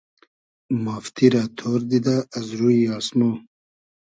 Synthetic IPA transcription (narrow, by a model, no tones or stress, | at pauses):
maːft̪ʰiɾat̪ʰoːɾd̪id̪aːzɾuiɑːsmo